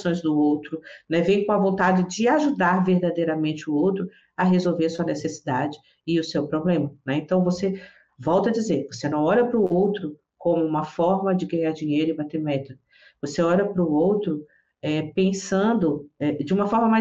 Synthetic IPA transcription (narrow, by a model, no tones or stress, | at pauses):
sõj̃zd̪ʊowt̪ɾʊnɛvẽj̃kõɐvõnt̪ad͡ʒɪd͡ʒɪaʒud̪aɾveɾd̪ad̪ejɾɐmẽnt͡ʃɪʊowt̪ɾʊ | ɐɦezowveɾɐsuɐnesesid̪ad͡ʒɪ | ɪʊsewpɾoblẽmɐnɛẽnt̪ɐ̃w̃vose | vɔwt̪ɐd͡ʒizeɾvosenɐ̃w̃ɔʎɐpɾʊowt̪ɾʊ | kõmʊũmɐfɔɾmɐd͡ʒɪɡɐ̃ɲaɾd͡ʒĩɲejɾʊɪbat̪eɾmɛt̪ɐ | voseɔʎɐpɾʊowt̪ɾʊ | ɛpẽsɐ̃d̪ʊɛd͡ʒɪũmɐfɔɾmɐma